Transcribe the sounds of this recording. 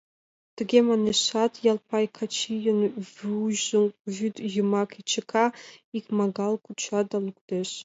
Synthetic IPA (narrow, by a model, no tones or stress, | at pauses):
d̥ɨɡʲemanɨʃatʰjalpʰajkʰat͡ʃʰijɪnvʒzɨŋkʷʼʒudjɪmakʰit͡ʃʰɪkʰaikʰʲmaɡalkʷʰʼʊt͡ʃʰadalɨɡʷʼd̥eʃ